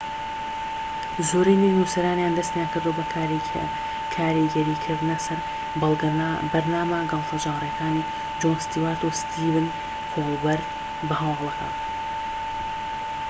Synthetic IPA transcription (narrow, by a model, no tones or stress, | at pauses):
zoːɾiːninuːsɐɾaːnjaːnd̪ɐst̪ejaːnkɨɾd̪uɐbɐkaɾi | kʰaːɾiɡɛɾiːkʰɨɾd̪nɐsɐɾ | blbɐɾnaːmaɡɑlˠfod͡ʒaːmrekaːni | d͡ʒoːnst̪iwaːɾt̪ost̪ʰiːvɨn | fobɐɾd̪ | bɐɦɐwɡlˠɐka̰ːn